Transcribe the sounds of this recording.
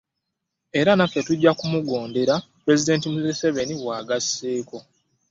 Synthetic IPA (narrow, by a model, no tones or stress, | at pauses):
e̞ɾanafːe̞tuɟːakumuɡo̞ːnde̞ɾapɾe̞zide̞ːntimuzeseβe̞niwaːɡasːeːko